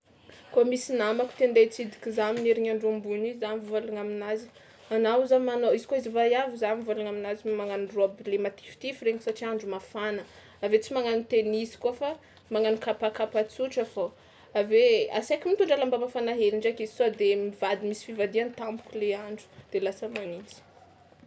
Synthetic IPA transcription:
komisinamaku̥t̪end̪et͡sid̪ikʲizamineɾiɲaɳɖ͡ʐumbunizzanvuvalaŋaminazi̥ | anawzamanoizikoizivajavizanimvalaŋaminazimaŋaniruabilemat̪i̥ft̪ifireɲisaʈ͡ʂiaɳɖ͡ʐumafanə | avet͡simaŋanit̪enizi̥kafa | maŋanikapakapat͡suʈ͡ʂafa | avea̰sakʲimint̪uɳɖ͡ʐalambamafanaɦeniɳɖ͡ʐakizi̥sod̪emiv̥ad̪imisi̥fivad̪iant̪ambu̥kʲuleaɳɖ͡ʐu̥d̪̥elasəmanit͡si̥

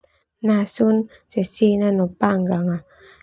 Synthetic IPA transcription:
nasun | sesinanopaŋɡaŋa

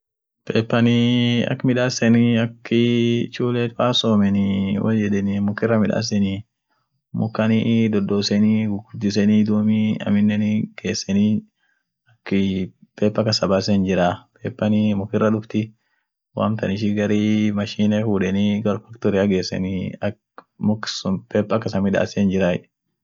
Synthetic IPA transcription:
pʰḛːpːɐniɐ̰kːmɪᶑaːsɛniɐkːɪt͡ʃuːleːfaːsoːmɛnɪwʔɐ̰d͡ʒɛd̪ɛnɪmʊkːɪrːɐmɪᶑa̰ːs̬ɛni | mʊ̰kːɐnid̪ɔd̪oːsɛniɡʊɡʊd͡ʒːɪs̬ɛnid̪uːmiɐ̰mɪnːɛniɡ̥e̞ːsːɛni | ɐkːɪpeːpːɐkɐsɐbasɛnd͡ʒɪɾaːpeːpːɐnimʊkːɪrːɐᶑʊbt̪ɪ | wa̰ːmt̪ɐnɪʃ̬ɪɡɐɾimɐʃiːnɛfuːᶑɛniɡɐɾʊfɐkt̪ɔɾɪɐɡe̞ːsːɛ̰niɐ | mʊksʊpeːpːɐkːɐsɐmɪᶑa̰ːsɛnd͡ʒɪɾaːɪᶑ

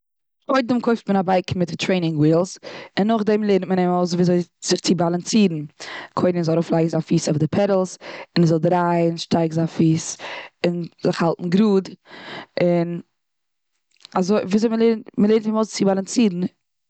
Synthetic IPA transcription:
kʰoɪddɪmkʰoɪftmənabaɪkn̩mɪttʰɾeɪnɪŋwiːlˠzɪnːʊχdɛmlˠeɪɾntmənɛmoʊzviːzoɪz̥ɪχt͡sɪbalˠant͡siːɾn̩kʰoɪdɪnzɔaɾoːflˠaɪɡŋ̩zanfiːsaʊfdɪpʰɛɾl̩ˠsɪnzɔlˠdɾaɪnʃtaɪɡzanfiːsɪnzɪχhalˠtn̩ɡɾuːd | ɪn | azoɪviːzoɪməlˠeɪɾnməlˠeɪntɪmoʊst͡sɪbalˠant͡siːɾn̩

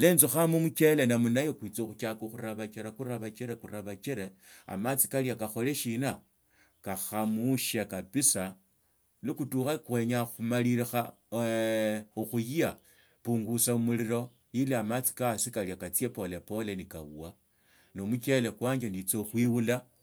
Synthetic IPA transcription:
leːnzuxamumuke̞le̞namunajokwit͡soxukakoxuɾaβat͡ʃeɾakuɾaβat͡ʃeɾekuɾaβat͡ʃeɾe | a̰mat͡si̥kaljakaxo̞le̞ʃina | kaxamuʃakapisa | likutuxakwe̞ɲaxumaliɾixa | uxujia | puːŋɡusaumuliɾo̞ | jiliamat͡si̥kasikaljakat͡siepo̞le̞po̞lenika̰wṵa | nomukele̞kwaːɲd͡ʒendit͡soxwiwula

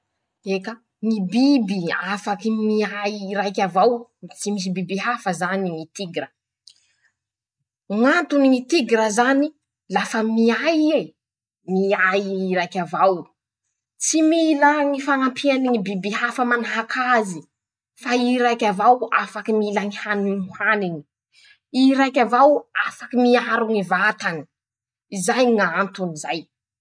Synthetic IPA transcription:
eka | ŋibibiafakimiajiɾajkʲavawt͡simis̬ibibiɦafəzaniŋit̪iɡɾə | ŋant̪uniŋit̪iɡɾəzani | lafəmiaje | miajɾajkʲavaw | t͡similaŋifaŋampʰianiŋibibihafəmanaɦakʰazi | faiɾajkʲavawafakimilaŋihaninihaniŋi̥ | iɾajkʲavawafakimiaɾuŋivat̪ani̥ | izajŋant̪unizaj

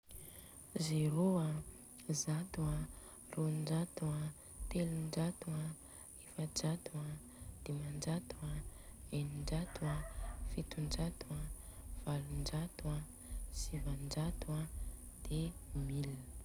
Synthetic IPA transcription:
zeɾoa | zat̪ua | rond͡ʒat̪ua | t̪eliɳɖ͡ʐat̪ua | efəd͡ʒat̪uad̪̥emand͡ʒat̪uaeniɳɖ͡ʐat̪uafit̪und͡ʒat̪uav̥alund͡ʒat̪ua | z̥ivand͡ʒat̪ad̪̥emil

